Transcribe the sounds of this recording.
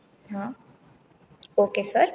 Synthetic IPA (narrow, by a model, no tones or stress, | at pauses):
ɦãː | oːkesəɾ